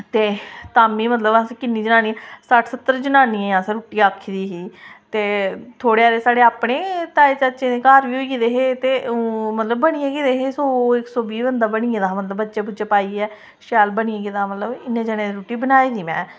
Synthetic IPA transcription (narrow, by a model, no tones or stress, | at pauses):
t̪eːt̪aːmiːmət̪ləbãskɪnːiːd͡ʒənaːniːsaʈʰsət̪ːəɾd͡ʒənaːniãːsəɾuːʈiːaːkʰːid̪iːɦiːt̪eːt̪ʰoːɽeːaːd̪eːsaːɽeːaːpɽeːt̪aːeːt͡ʃat͡ʃẽd̪eːkaːɾʋiːɦoid̪eːɦeːt̪ẽːmət̪ləbːəɽ̃iːẽːɡiːd̪eɦeːsoːɪksoːbiːbənd̪aːbəɳiːẽːd̪amət̪ləbətːʃeːbʊt͡ʃeːpaːiːɛː | ʃaːlbəɳiẽɡid̪aːmət̪ləbɪnːẽːd͡ʒəɽ̃ẽːd̪ɾuːʈiːbənaːiːd̪iːmɛ̰̃ː